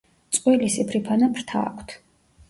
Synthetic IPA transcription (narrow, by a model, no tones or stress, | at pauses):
t̪sʼqʼwilisipʰɾipʰanapʰɾt̪ʰa̰ːkʷʰt̪ʰ